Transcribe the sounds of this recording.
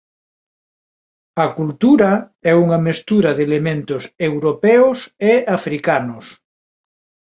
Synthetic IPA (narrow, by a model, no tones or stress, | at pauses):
ɐkult̪uɾɐɛuŋɐmest̪uɾɐðelemẽnt̪ʊsewɾopɛʊseafɾikanʊs